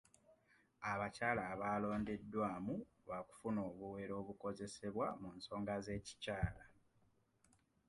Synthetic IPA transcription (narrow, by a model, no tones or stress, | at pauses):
aβacaːlaːβaːlo̞ːnde̞dːwaːmu | βaku̥funo̞ːβuwe̞ɾo̞ːβuko̞ze̞se̞βwamunso̞ːŋɡaze̞ːci̥caːla